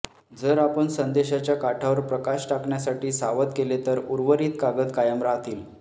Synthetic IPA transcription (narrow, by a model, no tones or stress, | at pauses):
d͡zəɾapəɳsənd̪eɕat͡ɕjakaʈʰaʋəɾpɾəkaɕʈakɳjasaʈiːsaʋət̪kelet̪əɾuɾʋəɾiːt̪kaɡət̪kajəmɾaɦt̪ʰiːl